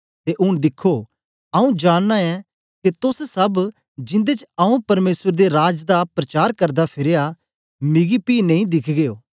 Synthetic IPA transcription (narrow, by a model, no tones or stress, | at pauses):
t̪eʔʊɽ̃d̪ɪkʰːo | ɐũd͡ʒaːɽːaɛ̃ | ket̪ʊssɐb | d͡ʒɪ̃nd̪et͡ʃɐũpɐɾmeːswəɾd̪eɾaːd͡ʒd̪apɾɐt͡ʃaːɾkɐɾd̪apʰɪɾeja | mɪɡipiːnɐ̃ĩd̪ɪkʰɡeːjoː